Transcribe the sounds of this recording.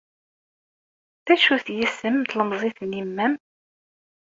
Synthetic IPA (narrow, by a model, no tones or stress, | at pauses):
θðæʃuθjisːəmt̪ləmzˤiθnimːæm